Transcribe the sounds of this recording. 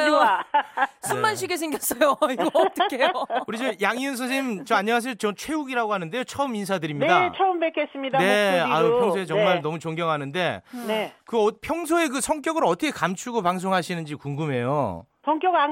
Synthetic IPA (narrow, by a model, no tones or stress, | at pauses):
jo | sʰumːanɕ̬ʰiɡes̬ʰeŋɡjʌs͈ʌjoiɡʌːt͈ɯkʰejouɾid͡ʑʌjaŋiɯns̬ʰʌt͡ɕimt͡ɕomaɲːʌŋas̬ʰejot͡ɕʌmt͡ɕʰwe̞uɡiɾaɡoɦanɯndejot͡ɕʰʌɯmins̬ʰadɯɾimɲiat͡ɕʰʌɯmbekʰes͈ɯmɲidaneapʰjʌŋsʰoet͡ɕʌŋŋmaɭnʌmut͡ɕoŋɡjʌŋɦanɯnde̞nekɯʌpʰjʌŋsʰoe̞kɯsʰʌŋk͈jʌɡɯɾʌtʰʌkʰekamt͡ɕʰuɡopaŋs̬ʰoŋɦaɕʰinɯnd͡ʑikuŋɡɯme̞jo̰ | sʰʌŋk͈jʌɡa